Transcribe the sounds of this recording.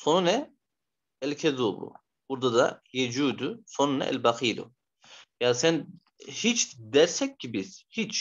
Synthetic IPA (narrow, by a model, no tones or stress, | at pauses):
so̞nunɛ | ɛlcʰɛd̪obɾṵ | b̥uɾd̪ad̪a̰jed͡ʒuːd̪usonunɛ̰ʔɛ̰lʲbaxʰɯjd̪ṵ | jaːsæn | hit͡ʃd̪ɛɾsɛcːibiz̥hit͡ʃ